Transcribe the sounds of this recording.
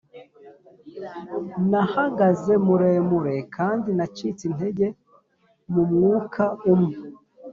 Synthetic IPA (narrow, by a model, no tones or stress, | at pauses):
nahaɡaze̞muɾe̞ːmuɾe̞kʰaːndinat͡ʃiːt͡sin̥he̞ɟe̞ | mumŋuːkʰaumŋe